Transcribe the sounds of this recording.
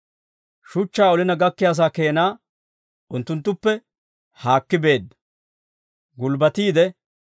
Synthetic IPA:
ʃʊt͡ʃːaːɔlɪnɐɡɐkːɪjaːs̬aːke̞ːnaː | ʊnt̪ːʊnt̪ːʊpːɛ | haːkːɪbe̞ːd̪ːɐ | ɡʊlbɐt̪iːd̪ɛ

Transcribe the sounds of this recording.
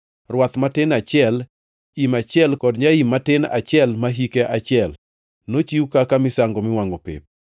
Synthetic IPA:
rwat̪matɪnat͡ʃjɛl | imat͡ʃɪɛlkɔdɲaimːatɪna̰t͡ʃjɛlmaɦikeʔat͡ʃɪɛl | not͡ʃiukakamɪsaŋɡɔmɪwaŋɔpḛp̚

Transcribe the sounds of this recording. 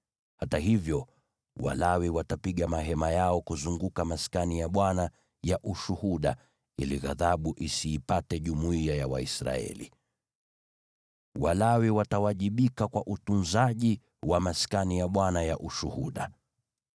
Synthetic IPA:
hataɦivjɔ | wa̰lawiwatapiɠamaɦɛmajaɔkuzuŋɡukamaskanijaɓwana | jaʔuʃuhuɗa̰ | iliɣaðaɓuʔisiːpatɛʄumuiajawa̰isɾa̰ɛ̰lḭ | walawiwatawaʄiɓikakwaʔutunzaʄi | wamaskanijaɓwanajaʔuʃuhuɗa̰

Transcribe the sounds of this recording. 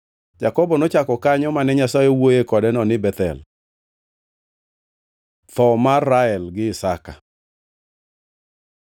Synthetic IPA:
d͡ʒakɔbɔnɔt͡ʃakɔkaɲɔmanɛɲasajewojekɔdɛnɔnɪbɛt̪ɛ̰l | t̪ɔmarːaɛlɡɪɪsaka̰

